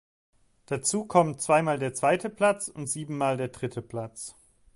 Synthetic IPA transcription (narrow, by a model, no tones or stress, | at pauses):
d̥at͡suːkʰɔmt͡sv̥aɪmaːldeːɐt͡sv̥aɪtʰəpl̥at͡sʊntz̥iːbm̩maːldeːɐdʁɪtʰəpl̥at͡s